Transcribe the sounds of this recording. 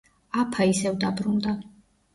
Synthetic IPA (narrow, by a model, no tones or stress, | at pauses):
apʰaisɛvd̪abɾund̪a